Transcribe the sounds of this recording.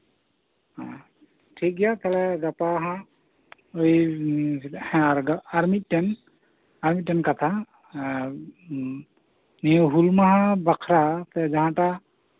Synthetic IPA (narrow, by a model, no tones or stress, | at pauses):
ã | tʰik̚ɡijat̪ʰɛlɛɡapaɦã | oj | hɛ̃ɡaaɹmit̚tɛn | aɹmit̚tːɛnkat̪ʰa | niɦulmaɦãbakʰɾat̪ɛd͡ʒaɦãta